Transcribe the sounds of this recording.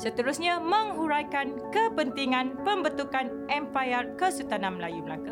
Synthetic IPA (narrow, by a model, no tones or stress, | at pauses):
sət̪əɾusɲamə̃ŋɦuɾajkankəpənt̪iŋãnpəmbət̪ukan | ɛmpajərkəsut̪anãməlajuməla̰ka